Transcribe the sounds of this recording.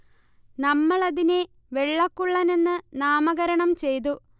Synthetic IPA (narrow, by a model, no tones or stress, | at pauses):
nɐmːɐɭɐðine | ʋe̞ɭːɐkːuɭːɐne̞nːɨnaːmɐɣɐɾɐɳɐmt͡ɕe̞jt̪̬u